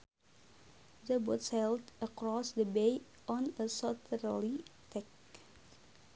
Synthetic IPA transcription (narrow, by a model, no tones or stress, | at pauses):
ðəbʊtshɛldəkɹɔsdəbeɪ | ʔɔ̃nəsɔtʰəlit̪ʰɛk